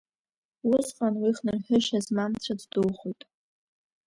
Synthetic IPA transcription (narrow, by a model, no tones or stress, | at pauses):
wʊzχʼanwiχnɨrħʷᶣʊʃazmamt͡sʷʰad͡zduwχujtʼ